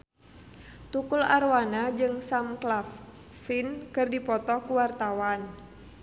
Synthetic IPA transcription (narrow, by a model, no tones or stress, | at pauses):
t̪ukularwanad͡ʒɨŋsamklafː | inkɨrdipɔt̪ɔkuwart̪awan